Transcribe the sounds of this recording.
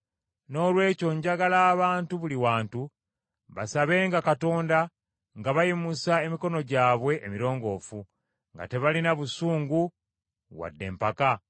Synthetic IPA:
no̞ːlwe̞ːco̞ɲɟaɡalaːβaːntuβuliwaːntu | βasaβe̞ːŋɡakato̞ːnda | ŋɡaβajimusae̞miko̞no̞ɟaːβwe̞ʔːmiɾo̞ːŋɡo̞ːfu | ŋɡa̰te̞βalinaβusuːŋɡu | wa̰dːe̞̰ːmpaka

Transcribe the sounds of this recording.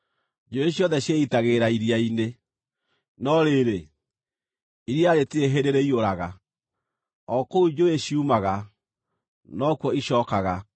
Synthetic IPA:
d͡ʒoeɕjɔðɛɕjeitaɣeɾaiɾiaine | nɔɾeɾe | iɾijaɾetieɦeɾeɾeioɾaɣa | ɔkoud͡ʒoeɕiumaɣa | nɔkwɔiʃɔːkaɣa

